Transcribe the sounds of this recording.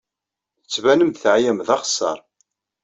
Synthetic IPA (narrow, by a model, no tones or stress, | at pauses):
θət͡sːvænəmθʕjæmðɑχə̥sːɑ̰ɾˤ